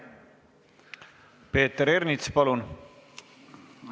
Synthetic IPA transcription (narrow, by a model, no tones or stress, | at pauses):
pe̞ːt̪ːeɾeɾnit̪spɑlun